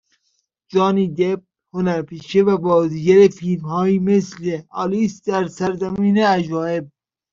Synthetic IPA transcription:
d͡ʒɒːniːd̪eb̚ | honæɾpʰiːʃevæbɒːziːɡæɾefiːlmhɒːimesleɑːliːsd̪æɾsæɾzæmiːneæd͡ʒɒːeb̚

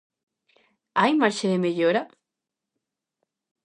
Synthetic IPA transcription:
ajmaɾʃeðemeʎoɾa

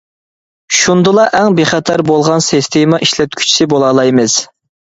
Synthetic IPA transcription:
ʃund̪ɨlˠɑʔɛŋbeχɛt̪ʰɛɾbolˠʁɑnsist̪ʰemɑʔiʃlɛt̪̚kʲʰy̥t͡ʃʰi̥sɪbolˠɑlˠɑjmɨz̥

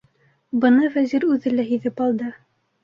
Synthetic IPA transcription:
bɤ̆nɤfæziɾʉðɘlæɦiðɘpɑlˠd̪ɤ

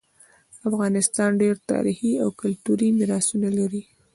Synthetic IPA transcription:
afɣɑnɪst̪ɑnɖeɾt̪ɑ̰ɾixiawkʊlt̪uɾimiɾɑsunalaɾi

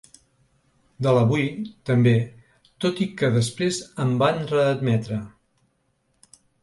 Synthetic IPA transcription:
d̪ələβujt̪əmbe | t̪ot̪ikəðəspɾezəmbanrəːd̪mɛt̪ɾə

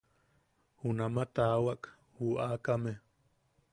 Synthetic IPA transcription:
hunamat̪awaʔk | huʔakame

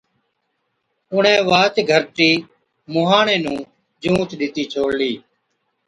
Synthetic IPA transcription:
ʊɳ̤ẽːʋaːt̪ɡʱəɾʈiː | mʊɦaːɳẽːnũː | d͡ʒũːt̪ɗɪt̪iːt͡ʃʰoːɽliː

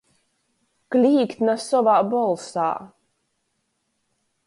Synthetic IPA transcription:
klʲiːkt̪nasɔvaːbɔlˠsa̰ː

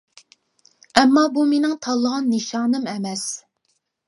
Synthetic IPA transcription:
ɛmːɑːbumenɪŋt̪ʰɑlˠːəʁɑnːeʃɑːnɨmɛmɛs

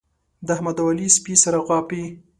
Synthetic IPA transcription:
d̪əahmad̪walispisaɾaɣwɑpi

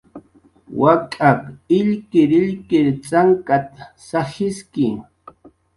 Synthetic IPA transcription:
wakʼakɪʎkɪɾɪʎkɪɾt͡saŋkat̪ | sahɪskɪ

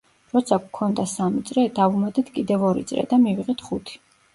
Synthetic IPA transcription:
ɾɔt̪sʰakkʰɔnd̪asamit̪sʼɾɛd̪avumad̪ɛt̪ʰkʼid̪ɛvɔɾḭt̪sʼɾɛ̰d̪amiviʁɛt̪ʰχut̪ʰi̥

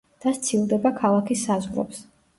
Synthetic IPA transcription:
d̪̥ast̪sʰilˠd̪ɛbakʰalˠakʰisːazʁɾɔ̰ps

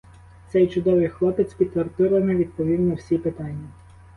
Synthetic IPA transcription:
t̪sɛjt͡ʃʊd̪ɔʋɪjxlˠɔpet͡sʲsʲpʲid̪t̪t̪ːʋɐrt̪ɪɾˠɐnɛʋʲid̪̚pɔʋʲid̪nɔwsʲipet̪ɑnʲːɐ

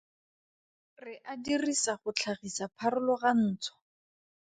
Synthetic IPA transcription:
rɪʔadirisaχʊt͡ɬʰaχisapʰarʊlʊɣan̩ːt͡sʰɔ̥

